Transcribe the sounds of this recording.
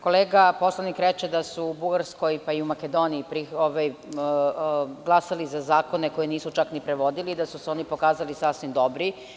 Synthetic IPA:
ko̞leːɡapo̞slˠanikɾet͡ʃed̪asuːbuɡaɾsko̞jpaiumake̞d̪o̞niːpɾioʋaj | ɡlˠasalizazaːko̞neko̞jeniːsut͡ʃaknipɾeʋo̞d̪iliːd̪asuseo̞ːnipo̞kaːzalisasʋimd̪o̞bɾi

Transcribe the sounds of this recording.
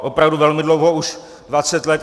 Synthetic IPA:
ʔopɾavduvɛlmɪdlowɦouʃ | dvat͡sɛt̪lɛt̪

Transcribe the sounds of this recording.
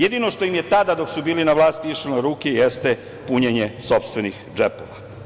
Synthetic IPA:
jed̪ino̞ʃt̪o̞jimje̞t̪ad̪ad̪o̞ksubiːlinaʋlaːst̪iiʃiloɾuːkejest̪e | puɲeɲeso̞pst̪ʋe̞nixd͡ʒepo̞ʋa̰

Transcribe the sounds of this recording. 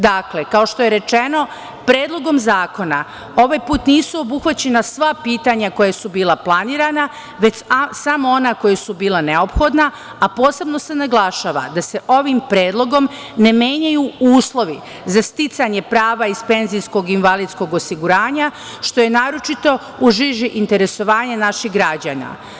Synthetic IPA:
d̪aklekao̞ʃt̪oje̞ɾe̞t͡ʃe̞no̞ | pɾe̞ːd̪lˠo̞ɡo̞mzaːko̞na | o̞ʋaːjpuːt̪niːsuo̞buxʋat͡ɕe̞nasʋapiːt̪aɲako̞jesubiːlˠaplˠaniːɾana | ʋe̞t͡ɕsamo̞o̞nako̞jesubiːlaneo̞pxo̞d̪naː | po̞ːse̞bno̞se̞naɡlˠaʃaːʋa̰d̪ase̞ʔo̞ʋimpɾe̞ːd̪lˠo̞ɡo̞m | ne̞meːɲajuuːslˠo̞ʋi | zast̪it̪saɲe̞pɾaːʋaispe̞nzijsko̞ɡinʋalid̪sko̞ɡo̞siɡuɾaːɲa | ʃt̪o̞je̞naːɾo̞t͡ʃit̪o̞ | uʒiʒiʔint̪eɾe̞so̞ʋaːɲanaʃixɡɾad͡ʑa̰ːna̰

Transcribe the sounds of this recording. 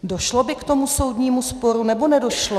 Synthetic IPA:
do̞ʃlobɪkt̪o̞muso̞wdɲiːmuspo̞ɾunɛbo̞nɛdo̞ʃlo

